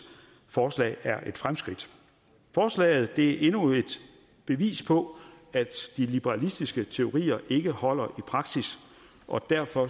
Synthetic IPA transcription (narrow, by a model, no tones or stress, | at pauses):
fɒːslɛ̰ːæɐʔe̝d̥fʁamsɡ̥ʁid̥ | fɒːslɛ̰ːð̩ˠd̥e̝æʔe̝nue̝d̥ | b̥e̝ʋḭːspʰɒ̽ | æd̥d̥ilib̥eʁɑ̈lisd̥isɡ̥ət͡sʰe̝o̝ʁḭːɐʔe̝ɡ̥əhɒ̽l̰ɐʔipʰʁɑ̈ɡ̥sis | ʔɒ̽d̥æɐ̰fɒ̽